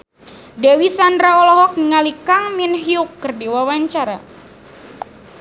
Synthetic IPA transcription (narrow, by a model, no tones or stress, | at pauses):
dɛwisandɾaɔlɔɦɔk̚niŋalikaŋminɦiukːərdiwawaɲt͡ʃaɾa̰